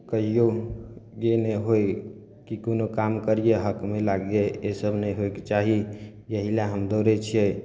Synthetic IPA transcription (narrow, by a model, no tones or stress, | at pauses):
kəɦijoɡeneɦoj | kikonokamkəɾijeɦəkmelaɡeesəbʱnəjɦoeket͡ʃaɦi | jəɦilaɦəmd̪oɾet͡ʃʰie